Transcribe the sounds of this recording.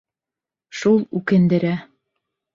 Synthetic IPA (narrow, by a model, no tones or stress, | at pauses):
ʃulˠʉkɘ̆nd̪ɘ̆ɾæ